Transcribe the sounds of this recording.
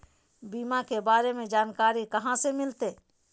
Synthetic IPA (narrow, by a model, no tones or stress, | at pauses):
biːmakebaːɾemẽd͡ʒaːnkaːɾikɐɦãsemɪlt̪eː